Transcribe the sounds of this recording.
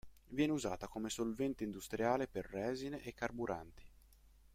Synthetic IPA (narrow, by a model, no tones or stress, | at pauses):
vjɛːneuzaːt̪akomesolvɛnt̪eind̪ust̪ɾʔjaːleperːɛːzineʔekːarbuɾʔa̰nt̪i̥